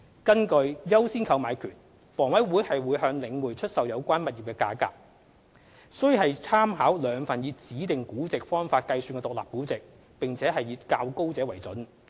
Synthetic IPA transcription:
kɐ˥nkɵ˧ɥjɐ˥wsiː˥nkʰɐ˧wmaː˨˧jkʰy̰ː˨˩n | fɔː˨˩ŋwɐ˨˥jwuː˨˥jhɐ˨jwuː˨˧˥jhœː˧ŋlɪ˨˧ŋwuː˨˩jt͡ʃʰɵ˥t̚sɐ˨wjɐ˨˧wkʷaː˥nmɐ˨t̚jiː˨p̚kɛː˧kaː˧ka̰ː˨p̚ | sɵ˥˨hɐ˨jt͡sʰaː˥mɦaː˨˥wlœː˨˧ŋfɐ˨˩nji˨˧t͡siː˨˥t̪ɪ˨ŋkuː˨˥t͡sɪ˨k̚fɔː˥ŋfaː˧t̚kɐ˧jsyː˧nkɛ˧t̪ʊ˨k̚laː˨p̚ku˨˥t͡sɪ˨k̚ | pɪ˨ŋt͡sʰɛː˨˥hɐ˨jiː˨˧kaː˧wko˥wt͡sɛː˨˥wɐ˨˩jt͡sɵ˨˥n

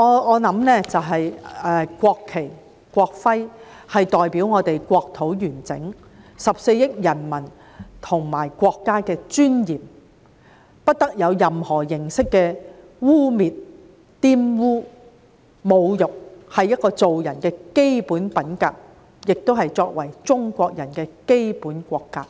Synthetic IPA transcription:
ɔː˨˧ɔː˨˧nɐ˨˧˥mnɛː˥t͡sɐ˨wɦɐ˨jʔɛː˧kʷɔː˧kʰːe˨˩j | kʷɔː˧k̚fɐ˥j | hɐ˨jt̪ɔː˨jpiː˨˥wŋɔː˨˧t̪e˨jkʷɔː˧k̚t̪ʰo˨˥wjyː˨˩nt͡sɪ̰˨˥ŋ | sɐ˨p̚se˧jjɪ˥k̚jɐ˨˩nmɐ˨˩n | t̪ʰʊ˨˩ŋmaː˨˩jkʷɔː˧kːaː˥kɛː˧t͡ʃyː˥njiː˨˩m | pɐ˥t̚t̪ɐ˥k̚jɐ˨˧wjɐ˨mhɔː˨˩jɪ˨˩ŋsɪ˥kːɛː˧ | wuː˥miː˨t̚ | t̪iː˥mwuː˥ | mo˨˧wjʊ˨k̚hɐ˨jːɐ˥t̚kːɔː˧t͡so˨wjɐ˨˩nkɛː˧ke˥jpuː˨˥npɐ˨˥nkaː˧˥k̚ | jɪ˨k̚t̪o˥wɦɐ˨jt͡sɔː˧k̚wɐ˨˩jt͡ʃʊ˥ŋkʷɔː˧k̚jɐ˨˩nkɛː˧ke˥jpuː˨˥nkʷɔː˧kːaː˧k̚

